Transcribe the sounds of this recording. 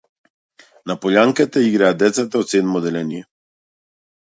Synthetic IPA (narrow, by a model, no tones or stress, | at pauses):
napɔljaŋkɛt̪ɛiɡɾajad̪ɛt̪sɛt̪ɛot̪senmɔd̪ɛlɛnjɛ